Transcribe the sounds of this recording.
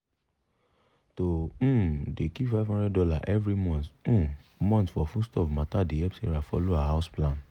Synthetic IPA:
tõ | dekifaɪvɦɔ̃ndɛdɔlaʔɛvɾimɔ̃nt̩ːmɔ̃ntfɔfustɔfmãtadeɛpseɾafɔ̰loaɦaʊsplãn

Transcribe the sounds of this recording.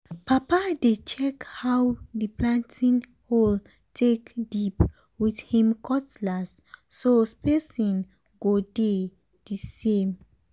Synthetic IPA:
papadet͡ʃɛkhawdiplãntʰĩn | hol | tʰekdip | wiθhĩmkʰɔtlasː | ospesĩn | ɡode | d̥isẽm

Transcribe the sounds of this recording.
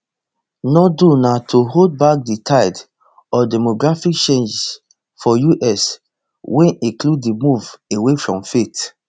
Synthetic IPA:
nɔdunatʰoɦod̚bak̚ditʰaɪd | ɔdɛmoɡɹafik̚t͡ʃẽnd͡ʒs | fɔjuʔɛs | wɛ̃nĩkluddimuvewefɹɔ̃mfet

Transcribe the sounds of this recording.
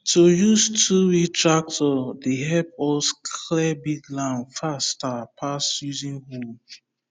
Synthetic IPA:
tojuztʰuwitʰɹak̚tɔdeɦɛpɔskʰlɛbiɡlãnfastapʰasjuzĩnhul

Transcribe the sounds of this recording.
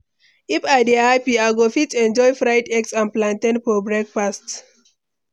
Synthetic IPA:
ifadiapiaɡofitɛ̃nd͡ʒɔjfɾajdɛksãnplãntẽnpɔbɹɛk̚past

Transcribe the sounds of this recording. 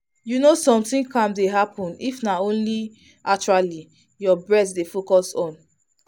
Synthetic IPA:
junosɔ̃mtĩŋkʰãmdeɦapʰɔ̃nifnaõnli | akt͡ʃuali | jɔbɹɛtdefokɔsɔ̃n

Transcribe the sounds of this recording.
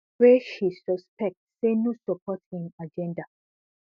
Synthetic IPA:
ɹeʃisɔspɛk̚tsenosɔpʰɔthĩmad͡ʒɛ̃nda

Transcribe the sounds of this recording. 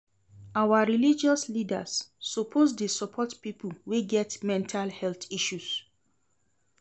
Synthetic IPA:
awaɹilid͡ʒɔslida̰sːopʰos̬desɔpʰɔtpipulweɡɛtmɛ̃ntʰalhɛltiʃus

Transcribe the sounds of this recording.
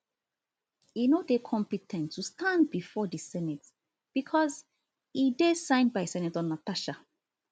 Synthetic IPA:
inodekʰɔ̃mpitʰɛ̃ntʰːustʰãndbifɔdisɛnɛt | b̥ikʰɔz | idesãɪ̃ndbaɪsɛnɛtɔ̃nataʃa

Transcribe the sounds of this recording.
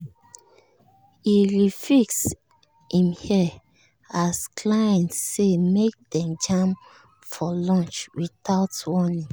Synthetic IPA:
iɹifiks | hĩmhi | askʰlãɪ̃nːemek̚dɛ̃md͡ʒãm | fɔlɔ̃nt͡ʃwitaʊtwɔnĩŋ

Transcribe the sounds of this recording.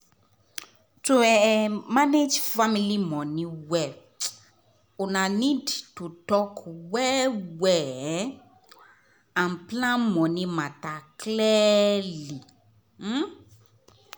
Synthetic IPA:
tuɛmaned͡ʒfamilimɔ̃nĩwɛ | unanidtutɔkwɛwɛ | ãnplãnmɔ̃nĩmataklɛli

